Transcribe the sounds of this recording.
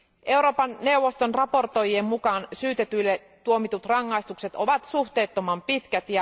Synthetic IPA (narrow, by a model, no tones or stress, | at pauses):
ʔe̞uɾo̞ːpɑnːe̞uʋo̞st̪onrɑpo̞rt̪o̞jiemmukɑːnsyːt̪e̞t̪yjlːe | t̪uo̞mit̪ut̪rɑŋːɑjst̪ukse̞t̪o̞ʋɑt̪suht̪e̞ːt̪ːo̞mɑmpit̪k̟æt̪jɑ